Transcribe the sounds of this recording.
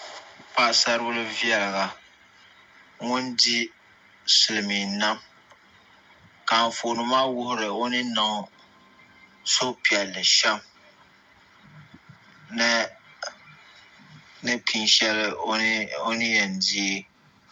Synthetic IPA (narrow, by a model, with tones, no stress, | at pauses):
pa˦ʔsa˦ɾɨ˦bʊ˦lɨ˦vi˦ɛ˨lɨ˨ɡa˨ | ŋʊ˦ndi˦ | sʊ˨lɨ˨mi˨na˦m | ka˨ɱ˨fo˨nɨ˨maː˦wʊ˦hʊ˦ɾɨ˨o˦nɨ˦na˨˦ | so˦pi˨ɛ˨lːɨ˨ʃɛ˦m | n˦ | nɨ˦kʰi˨nʃɛ˦lɨ˦o˦nɨ˦jɛ˨ndi˦e˦